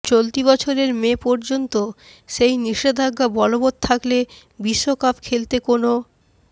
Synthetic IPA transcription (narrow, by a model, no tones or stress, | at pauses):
t͡ɕolt̪ibɔt͡ɕʰoɾeɾmepɔɾd͡ʑont̪o | ʃejniʃed̪ʱaɡːabɔlobod̪̚t̪ʰakle | biʃːokapkʰelt̪ekono